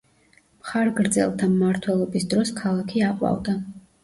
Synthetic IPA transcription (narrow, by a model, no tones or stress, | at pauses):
mχaɾɡɾd̪zɛ̰lˠt̪ʰamːaɾt̪ʰwɛlˠɔbisd̪ɾɔskʰalˠakʰiaqʼwa̰vd̪a